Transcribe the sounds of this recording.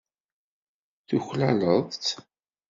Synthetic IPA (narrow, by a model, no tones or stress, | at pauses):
θuçlæləðˤt̪